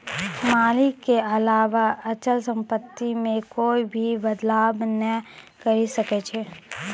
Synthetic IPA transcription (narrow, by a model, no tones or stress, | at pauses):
maːlɪkːeɐlaːʋaɐt͡ʃəlsə̃mpət̪ːimẽkoːibʱibəd̪laːbnəkɐɾisɐket͡ʃʰeː